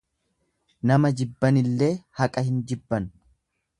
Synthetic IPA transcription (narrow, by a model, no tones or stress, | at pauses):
nɐmɐd͡ʒɪbːɐnɪlːe̞ːhɐkʼɐhɪnd͡ʒɪbːɐn